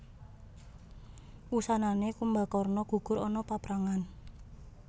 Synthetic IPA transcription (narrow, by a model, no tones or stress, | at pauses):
usananekumbakɔrnɔɡ̥ṳɡ̥ʊ̤ɾɔnɔpapɾaŋan